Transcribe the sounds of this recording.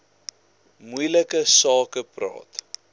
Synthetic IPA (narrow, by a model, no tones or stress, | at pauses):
mujləkəsɑːkəprɑ̰ːt